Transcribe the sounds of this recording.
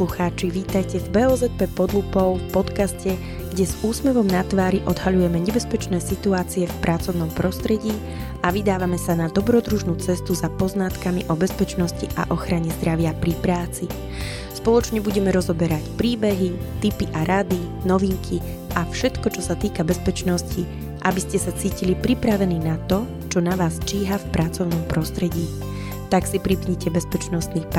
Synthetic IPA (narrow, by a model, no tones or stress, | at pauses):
luxaːt͡ʃiʋiːt̪ajcɛvbɛɔzɛt̪̚pɛpɔd̪lupɔʊfpɔt̪kascɛ | ɡ̥ɟɛzuːsmɛʋɔmnat̪ʋaːɾiʔɔd̪ɦaʎujɛmɛɲɛbɛspɛt͡ʃnɛːsit̪uaːt͡siɛfpɾʔat͡sɔʊnɔmpɾɔst̪ɾɛɟiː | aʋid̪aːʋamɛsanad̪ɔbɾɔd̪ɾuʒnuːt͡sɛst̪uzapɔznat̪kamiʔɔbɛspɛt͡ʃnɔsciʔa̰ʔɔxɾaɲɛzd̪ɾaʋɪapɾipɾaːt͡si | spɔlɔt͡ʃɲɛbuɟɛmɛɾɔzɔbɛɾacpɾiːbɛɦit̪ipiʔaɾʔad̪i | nɔʋiŋkʰi | ʔafʃɛt̪kɔt͡ʃɔsat̪iːkabɛspɛt͡ʃnɔsci | ʔabiscɛsat͡siːcilipɾipɾaʋɛniːnat̪ɔ | t͡ʃɔnaʋaːst͡ʃiːɦafpɾʔat͡sɔʊnɔmpɾɔst̪ɾɛɟiː | t̪aksipɾipɲɛcɛbɛspɛt͡ʃnɔst̪niːp